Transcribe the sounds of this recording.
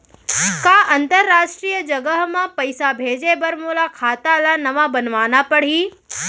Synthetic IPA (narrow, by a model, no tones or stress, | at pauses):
kaːʔɐ̃nt̪əɾːaːʃʈɾiːjəd͡ʒɐɡəɦmãpɐɪsabʱeːd͡ʒebɐɾmoːlakʰaːt̪alaːnɐʋãbɐnʋaːnapɐɽ̤iː